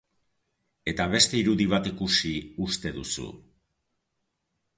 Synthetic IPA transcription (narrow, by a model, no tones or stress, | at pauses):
e̞t̪aβ̞e̞st̪e̞iɾuðiβ̞at̪ikusiust̪e̞ðusṵ